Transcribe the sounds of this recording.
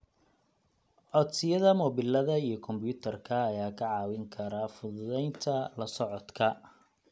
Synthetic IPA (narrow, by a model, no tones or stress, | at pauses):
ʕɔd̪sɪjɐðɐmɔːbɪlɐðɐijɞkʰɔmbjuːt̪ʰɐrkʰɐːjaːkʰɐʕɑːwɪŋkʰɐɾaːfʊðʊðɛjnt̪ʰɐlɐsɔʕɔd̪kʰɐ